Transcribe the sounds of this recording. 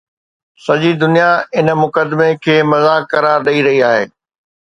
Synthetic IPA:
sɐʄid̪ʊnijaɪnə̆mʊkəd̪mekʰeːmɐzaːkɐɾaːɾɗɐiɾɐɦiaːɦeː

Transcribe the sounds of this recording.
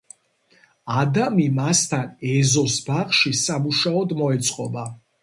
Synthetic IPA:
ad̪amimast̪ʰanɛzɔsbaχʃisamuʃaɔd̪mɔɛt̪sʼqʼɔ̰ba

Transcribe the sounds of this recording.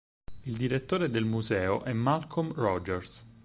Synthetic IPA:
ild̪iɾet̪ːoːɾed̪elmuzɛːoʔɛmːalkʰomrɔd͡ʒɛɾs

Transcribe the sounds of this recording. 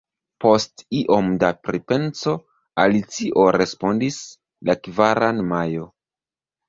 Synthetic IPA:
po̞stiʔo̞mdapɾipe̞nt͡so̞ | alit͡siʔo̞ɾe̞spo̞ndis | lakvaɾanmajo̞

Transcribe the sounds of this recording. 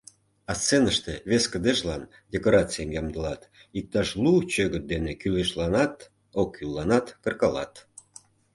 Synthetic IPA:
ɑst͡senəʃt̪eβeskəd̪eʃlɑn | dʲekoɾɑt͡sɨjəmjɑmd̪əlɑt̪ | ik̚t̪ɑʃlut͡ɕøɣət̪̚d̪enekyleʃlɑnɑt̪ | okːylːɑnɑt̪kə̆rkɑlɑ̰t̪

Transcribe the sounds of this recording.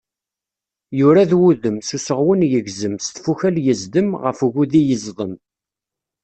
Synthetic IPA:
jʊɾaðwuðəmsusəʁwənjəɣzəmst̪fuçæljəzd̪əmʁəfɣuðijəzˤðˤəm

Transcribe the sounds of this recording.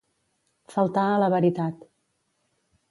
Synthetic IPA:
fəlˠt̪aələβəɾit̪at̪

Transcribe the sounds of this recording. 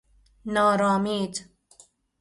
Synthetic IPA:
nɑːɾɑːmiːt

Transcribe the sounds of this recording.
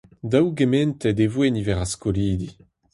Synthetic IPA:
d̪awɡemɛnt̪ɛd̪evwenivɛʁaskoliːd̪i

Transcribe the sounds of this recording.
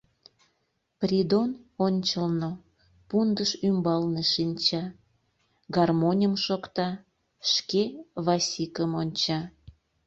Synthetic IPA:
prʲid̪ononʲt͡ɕəlno | pund̪əʃymbɑlneʃinʲt͡ɕɑ | ɡɑrmonʲəmʃokt̪ɑ | ʃkeβɑsʲikəmonʲt͡ɕɑ

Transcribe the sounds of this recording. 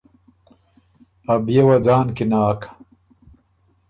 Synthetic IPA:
ɐbjewɐd͡zaːnkinaːkḁ

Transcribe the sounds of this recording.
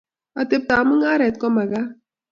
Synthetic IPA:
ɐt̪ep̚t̪amɨŋaɾɛt̪̚kɔmaɡa

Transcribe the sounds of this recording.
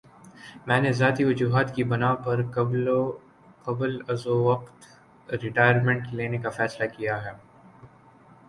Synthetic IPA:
mɛ̃ːnezaːt̪iʋɐd͡ʒuːɦaːt̪kibɐnaːpɐɾ | qɐbəlɐzoʋɐqt̪ | ɾɪʈaːɪəɾmɛ̃ɳʈkleːnekafɛːslakijaɦɛː

